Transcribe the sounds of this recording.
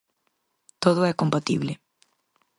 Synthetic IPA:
t̪oðʊɛkompat̪iβlɪ

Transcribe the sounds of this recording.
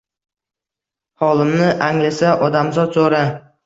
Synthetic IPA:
hɒlˠɪmnɪʔaŋlasaʔɒd̪amzɒd̪soɾa

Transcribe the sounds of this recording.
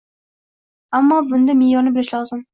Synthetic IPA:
amːɒbʊnd̪amɪjɒnɪbɪlɪʃlɒzɪm

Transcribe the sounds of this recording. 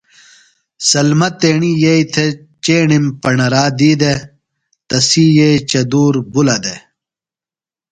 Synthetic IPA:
sɐlmɐt̪eːɳijejt̪ʰe | t͡ɕeːɳimpɐɳɐɾaːd̪iːd̪e | t̪ɐsijejt͡ɕɐd̪uːɾbulɐd̪e

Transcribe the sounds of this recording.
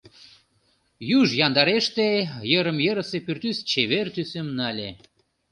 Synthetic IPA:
jyʒjɑnd̪ɑɾeʃt̪ejəɾəmjəɾəsepyrt̪yst͡ɕeβert̪ysemnɑlʲe

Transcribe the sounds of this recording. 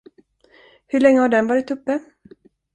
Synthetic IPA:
hɵɭɛŋːəhaɖɛnvɑːɾɪt̪ɵpːə

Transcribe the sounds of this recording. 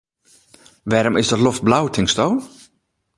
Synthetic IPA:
ʋɛːɾɔmɪsdɔtlɔft̚blawtʰɪŋstown

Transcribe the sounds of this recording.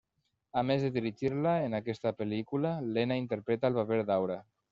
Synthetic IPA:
amezðəðiɾiʒiɾlaenakɛst̪apelikulalenaint̪əɾpɾɛt̪alˠβaβeɾd̪awɾa

